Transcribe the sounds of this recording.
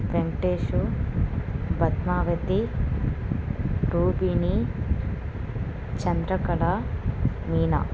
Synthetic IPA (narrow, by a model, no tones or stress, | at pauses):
pɾeŋʈeːʃu | bɐt̪naːʋɐt̪i | ʈuːbini | t͡ʃɐnd̪ɾɐkɐɽa | miːnɐ̰